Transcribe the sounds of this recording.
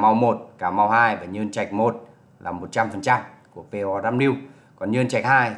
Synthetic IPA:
ma˧wmo˨˩t̚kaː˧˩ma˧whaː˧jvaː˨˩ɲɨ˧ənt͡ɕa˨˩jk̟̚mo˨˩t̚ | la̰ː˨˩mo˨˩t̚t͡ɕa˧mfə˨˩nt͡ɕa˧m | ku˧˩əpe˧ɔ˧zaː˧mli˧əw | kɔ˨˩nɲɨ˧nt͡ɕa˨˩jk̚haː˧j

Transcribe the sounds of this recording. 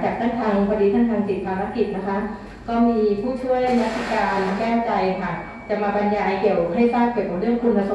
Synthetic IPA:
t͡ɕaː˨˩t̪ʰaː˥˩nt̪ʰaː˧ŋpa˧diː˧˥t̪ʰa˥˩nt̪ʰaː˧ŋt͡ɕi˨˩t̪̚kʰaː˧ɾa˦˥ki˨˩t̪̚na˦˥kʰa˦˥ | kɔː˥˩miː˧pʰuː˥˩t͡ɕʰu˥˩əjjma˦˥t̪ʰːi˧˩kaː˧nkɛː˥˩wt͡ɕa˧jɦʰaː˨˩k̚ | t͡ɕa˨˩maː˧ba˧njaː˧jki˨˩əwʰɦa˥˩jsaː˥˩p̚ki˨˩wka˨˩ɾɯ˥˩əŋkʰu˧npʰa˧so˨

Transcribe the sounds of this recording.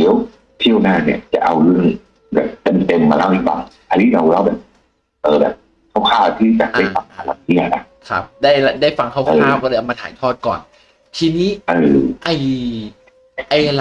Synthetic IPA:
liː˨˦ə˥w | t̪ʰi˥˩əwnaː˥˩ni˥˩ɐt͡ɕa̰˨˩ʔa˧wlɯ˥˩əŋ | bɛ̰ː˨˩p̚t̪e˧mt̪e˧mːaː˧ɾa˥˩wʔi˧˩wa˧ŋʔʰaː˧nʰiː˥˩ɾa˧wla˥˩wbɛː˨˩p̚ | ʔɤː˨˧bɛ̰ː˨˩p̚ | kʰa˦˥˩wkʰaː˥˩wt̪ʰiː˥˩t͡ɕa̰˨˩da˥˩jfa˧ŋt̪ʰaːa˧˩la˧˩k̚t̪ʰi˥˩əna˦˥ | kʰa̰˦˥p̚daː˥˩ja˧daː˥˩jfa˧ŋkʰaː˥˩wkːʰaː˥˩wkɔː˥˩˧ʔwmaː˧t̪ʰa̰ː˨˦jt̪ʰɔː˥˩t̪̚kɔ̰ː˨˩n | t͡ɕ̪ʰiː˧niː˦˥ʔɤː˨˧˩ʔa˧˩j | ʔa˧l

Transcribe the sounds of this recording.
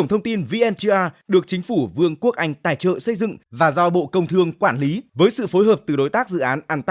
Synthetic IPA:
ə˧˩ŋ͡mt̪ʰə˧wŋ͡mt̪i˧nvi˧ʔɛ˧nt̪i˧ʔaː˧ɗɨ˨˩ək̚t͡ɕï˨˦ŋ̟fu˧˩vɨ˧əŋku˦˥ək̚ʔa˧jŋ̟t̪aː˧˩jt͡ɕə̰ː˧˨sə˧jzɨ̰˧˨ŋvaː˨˩zɔ˧ɓo̰˧˨kə˧wŋ͡mt̪ʰɨ˧əŋkwaː˧˩nli˨˦vəː˨˦jsɨ̰˧˨fo˨˦jɦəː˨˩p̚t̪ɨ˨˩ɗo˨˦jt̪aː˦˥k̚zɨ̰˧˨ʔaː˨˦nʔaː˧˩nt̪

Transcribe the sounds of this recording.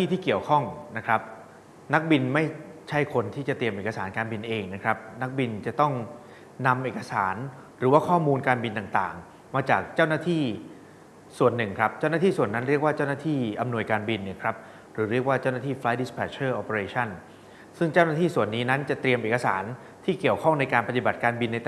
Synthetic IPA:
iː˥˩t̪ʰiː˥˩ki˨˩əwkʰɔ˥˩ŋna˦˥kʰɾa˦˥p̚ | na˦˥k̚bi˧nma˥˩jt͡ɕʰa˥˩jkʰo˧nt̪ʰiː˥˩t͡ɕa˨˩t̪ɾi˧əmʔeː˨˩ka˧saː˩˦nkaː˧nbi˧nʔeː˧ŋna˦˥kʰɾa˦˥p̚na˦˥k̚bi˧nt͡ɕa˨˩t̪ɔ˥˩ŋ | na˧mʔeː˨˩ka˧saː˩˦n | ɾɯː˩˦waː˥˩kʰɔː˥˩muː˧nkaː˧nbi˧nt̪a˨˩ŋt̪a̰ː˨˩ŋ | maː˧t͡ɕaː˨˩k̚t͡ɕaː˥˩wnaː˥˩t̪ʰiː˥˩ | su˨˩ənːɯ˨˩ŋkʰɾa˦˥p̚t͡ɕa˥˩wnaː˥t̪ʰiː˥˩su˨˩ənːa˦˥nɾi˥˩ək̚waː˥˩t͡ɕa˥˩wnaː˥˩t̪ʰiː˥˩ʔa˧mnu˧əjkaː˧nbi˧nːi˥˩əkʰɾa˦˥p̚ | ɾɯː˩˦ɾi˥˩ək̚waː˥˩t͡ɕa˥˩wnaː˥˩iː˥˩fla˦jdi˦˥spʰɛː˧˩t͡ɕʰɤː˥˩ʔo˧pe˧ɾeː˧t͡ɕʰa˥˩n | sɯ˥˩ŋt͡ɕa˥˩wna˥t̪ʰiː˥˩su˨˩ənːiː˦˥na˦˥nt͡ɕa˨˩t̪ɾi˧əmʔeː˨˩ka˧sa̰ː˩˦n | t̪ʰiː˥˩ki˨˩əwkʰɔ˥˩ŋna˧jkaː˧npa˧t̪i˨ba˨˩t̪̚kaː˧nbi˧nːa˧j̪

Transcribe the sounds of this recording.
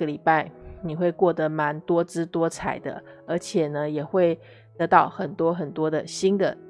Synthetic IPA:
ə˨li˨˩pa˥˩ɪni˨˩xwe˥˧ɪkwɔ˥˩d̪ə˩ma˧˥nt̪wɔ˥ʈ͡ʂɻ̩˥t̪wɔ˥t͡sʰa̰˨˩ɪd̪ə̰˦ | ə˧˥t͡ɕʰjɛ˨˩nə˦jɛ˨˩xwe˥˩ɪ | t̪ɤ˧˥t̪ɑ˥˩ʊxə˨˩nt̪wɔ˥xə˨˩nt̪wɔ˥d̪ə˨ɕi˥nd̪ə̰˨

